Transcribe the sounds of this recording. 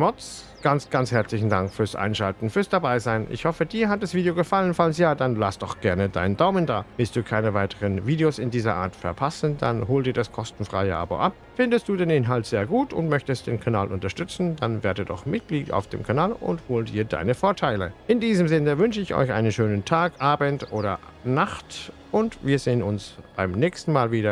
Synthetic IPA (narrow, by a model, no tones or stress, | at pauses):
mɔt͡s | ɡ̥ant͡sɡ̥ant͡shɛɐt͡slɪçn̩daŋkfyːɐsʔa̰ɪnʃaltn̩fyːɐsd̥abaɪzaɪnʔɪ̰çhɔfədiːɐɦat̚d̥asv̥iːdeoɡəfalənfalənsjaːdanla̰sd̥ɔχɡ̥ɛɐnəda̰ɪndaʊmənda̰ːvɪlstd̥uːkʰaɪnəvaɪtʰəʁənviːdeosɪndiːzɐʔa̰ːɐtfɛɐpʰasn̩d̥a̰nɦoːldiːɐdaskʰɔstn̩fʁ̥a̰ɪəʔa̰ːba̰ʔap̚ | fɪndəstd̥uːdeːnʔɪnɦaltz̥eːɐɡuːtʊ̰ntmœçtəstd̥eːnkʰana̰ːlʔʊntɐʃtʏt͡sn̩d̥anveːɐdətdɔ̰χmɪt̚ɡ̥liːta̰ʊfd̥ḛːmkʰanaːlʔʊ̰nthoːltd̥iːɐda̰ɪnəfoːɐtʰaɪləʔɪndiːzəmzɪnəvʏnʃəɪçʔɔ̰ʏçʔa̰ɪnənʃøːnəntʰaːkʔaːbəntʔoːɾɐ | naχt | ʔʊntviːɐzeːənʊnsb̥aɪmnɛːçstn̩maːlviːdɐ